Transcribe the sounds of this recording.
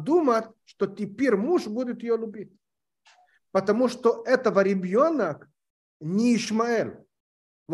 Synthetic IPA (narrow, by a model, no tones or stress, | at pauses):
d̪umət̪ʲʂt̪ot̪ʲɪpʲeɾʲmuʂbudʲɪt̪jɪjolʲʊbʲitʲ | pət̪ɐmuʂt̪oʔɛt̪əvəɾʲɪbʲɪonək | nʲɪɪʂmɐɛlʲ | v